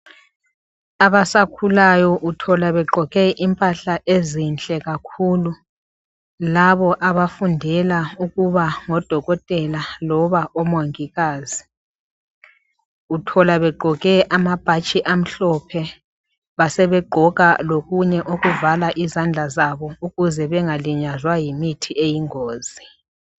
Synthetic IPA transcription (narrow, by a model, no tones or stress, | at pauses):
aβasakʰulajɔʔutʰɔlaβɛɡ͡ǃʱɔɣɛʔimpʼaɬaʔezint͡ɬʼɛɣakʰuːlu | laβɔʔaβafundʱɛlauɣuβaŋɔd̥ʱɔɣɔtʼɛlalɔβaʔɔmoŋiɣaːzi | utʰɔlaβɛɡ͡ǃʱɔɣɛʔamab̥ʱat͡ʃʼiʔam̩ɬɔpʰɛ | βasɛβɛɡ͡ǃʱɔɣa̰loɣuɲɛʔoɣuvalaʔizand͡ɮʱazaβɔuɣuzɛβɛŋaliɲazwajimitʰiʔejiŋoːzi